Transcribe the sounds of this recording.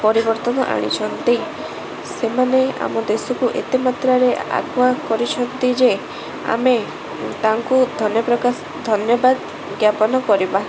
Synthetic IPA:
pɔɾibɔɾt̪ɔnɔʔa̰ɽ̃ḭt͡ʃʰɔnt̪i | semanea̰mɔd̪esɔkuʔḛt̪imat̪ɾaɾea̰ɡwakɔɾit͡ʃʰɔnt̪id͡ʒe | a̰me | t̪aŋkud̪ʱɔnjɔpɾɔkas | d̪ʱɔnjɔbad̪ | ɡjapɔnɔkɔɾiba

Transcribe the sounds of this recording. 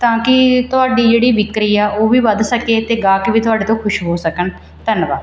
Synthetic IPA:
t̪ãːkɪt̪ʊɦaːɖiːd͡ʒeːɽiːʋɪkɾiːaːʔoːʋiːʋəd̪səkeːt̪eːɡaːkbiːt̪ʊɦaːɖeːt̪õːkʰʊʃɦoːsəkən | t̪ənʋaː

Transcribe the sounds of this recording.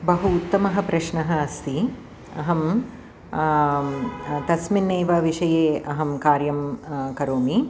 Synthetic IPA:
bɐɦuːt̪ːɐmɐɦɐ̆pɾɐʃɳɐɦɐːst̪i | ɐ̰ɦɐm | t̪ɐsminːeːʋɐʋiʂɐjeːɐɦɐmkaːɾjɐmkɐɾoːmi

